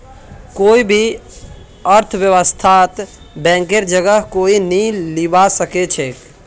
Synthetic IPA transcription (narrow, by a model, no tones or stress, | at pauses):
koibʱi | əɾt̪ʰʋjəʋəst̪ʰat̪ | bɛ̃ːŋkeɾd͡ʒəɡəɦkoinĩlibasəket͡ʃʰeːk